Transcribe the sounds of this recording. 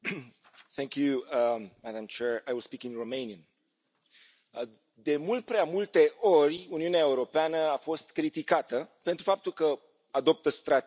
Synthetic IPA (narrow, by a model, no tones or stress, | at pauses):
θɛ̃ŋkjumad̪amt͡ʃɛɹajwilspikĩŋromejniən | d̪e̞mult̪̚pɾeamult̪e̞ʔo̞rʲuniuneaeuɾo̞peanəafo̞st̪kɾit̪ikat̪əpent̪ɾufap̚t̪ulkə | ad̪o̞p̚t̪əst̪ɾat̪